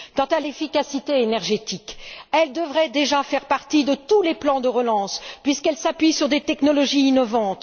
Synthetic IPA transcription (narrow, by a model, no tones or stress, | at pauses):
kɑ̃t̪alefikasit̪eenɛʁʒet̪ikɛld̪əvʁɛd̪eʒafɛʁpaʁt̪id̪ət̪uleplɑ̃d̪əʁəlɑ̃spɥiskɛlsapɥisyʁd̪et̪ɛknɔlɔʒiːnɔvɑ̃t̪